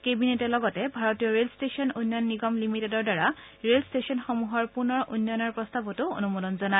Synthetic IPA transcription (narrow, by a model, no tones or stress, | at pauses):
kebinetɛlɔɡɔtɛbʱaɹɔtijɔɹelstesɔnojnːjɔnːiɡɔmlimitedɔɹdaɹa | ɹelstesiɔnxɔmuɦɔɹpuɹnɔɹo̰jnːɔnɔɹpɹɔstabɔtʊo̰numodɔnzɔna